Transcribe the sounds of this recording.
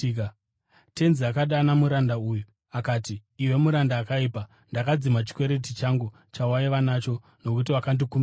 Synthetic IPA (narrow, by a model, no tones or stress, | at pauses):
te̞nziakaɗanamuɾandauju | akaːtiːwe̞muɾandaːkaiːpa | ndakad͡zimat͡ʃi̥kwe̞ɾe̞t̬it͡ʃaŋɡu | t͡ʃawaiʋanat͡ʃo̞ | no̞kut̬iʋakandikum